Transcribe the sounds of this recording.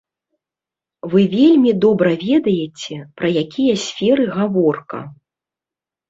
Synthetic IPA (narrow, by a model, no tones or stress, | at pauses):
vɨvʲelʲmʲid̪ɔbɾɐvʲɛd̪ɐjɛt͡sʲɛpɾɐjakʲijɐsʲfʲɛɾɨɣavɔrkɐ̰